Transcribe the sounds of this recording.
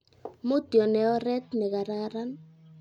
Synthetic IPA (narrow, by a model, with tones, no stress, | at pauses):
mo˦t̪jɔ˨nɛ˨ɔ˦ɾɛ˦t̪̚nɛ˨ka˨ɾa˦ɾa˦n